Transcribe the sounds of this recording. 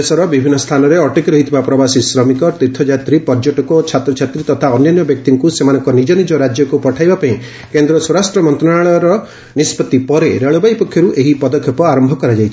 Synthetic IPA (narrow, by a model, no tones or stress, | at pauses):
sɔɾɔbibʱinːɔst̪ʰanɔɾeɔʈikɾɔɦit̪ʰibapɾɔbasisɾɔmikɔt̪iɾt̪ʰːɔd͡ʒat̪ɾipɔɾd͡ʒɔʈɔkɔt͡ʃʰat̪ɾɔt͡ʃʰat̪ɾit̪ɔt̪ʰaɔnjɔnjɔbjɔk̚t̪iŋkusemanɔŋkɔnid͡ʒɔnid͡ʒɔɾad͡ʒjɔkupɔʈʰajbapaĩ | kend̪ɾɔswɔɾasʈɾɔmɔnt̪ɾɔaaɭɔjɔɾɔ | nispɔt̪ipɔɾeɾeɭɔbajpɔkʰːjɔɾuʔeɦipɔd̪ɔkʰːjɔpɔaɾɔmbʱɔkɔɾad͡ʒajt͡ʃʰi